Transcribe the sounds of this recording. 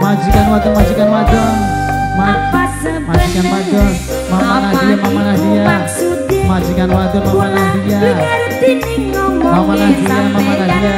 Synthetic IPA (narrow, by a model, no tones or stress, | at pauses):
mad͡ʒikanwad͡ʒəŋmad͡ʒikanmad͡ʒɔŋma | mad͡ʒikanmad͡ʒɔ | mamanadiamamanadia | mad͡ʒikanwad͡ʒɔrmamanadija | mamanadiamamanadia